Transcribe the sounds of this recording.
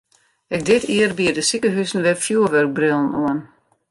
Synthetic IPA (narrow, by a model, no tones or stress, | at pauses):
ɛk̚dɪtʰiərbiədəsikəɦysn̩ʋɛfjuːəʋørk̚brɪlˠn̩uən